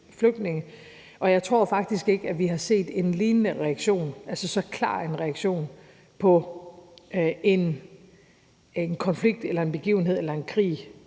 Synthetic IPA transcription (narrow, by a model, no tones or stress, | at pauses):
fløɡ̥ne̝ŋə | ʔɒ̽jɑ̈ɪt͡sʰʁo̝ɐ̰fɑ̈ɡ̥̚d̥isɡ̥e̝ɡ̥əæʋiɦɑ̈se̝̰ːd̥e̝nliːnənəʁɛæɡ̥ɕo̝̰ːnʔælsəsɒ̽kʰlɑ̰̈ːe̝nʁɛɑɡ̥ɕo̝̰ːn | pʰɒ̽ | e̝n | enkʰɒ̽nfliɡ̥̚d̥elɐe̝nb̥e̝ɡ̥ḭːʊn̩ɦe̝ð̞̰ˠelɐe̝nkʰʁḭː